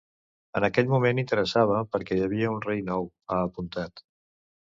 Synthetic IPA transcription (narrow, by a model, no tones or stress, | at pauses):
ə̰nəkɛʎmumenint̪əɾəsaβ̞əpəɾkɛjəβ̞iəunrejnɔw | aːpunt̪at̪